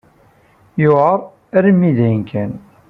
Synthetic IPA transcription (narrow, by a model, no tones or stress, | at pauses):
jʊəɾˤ | æɾimːiðæjənkʰæn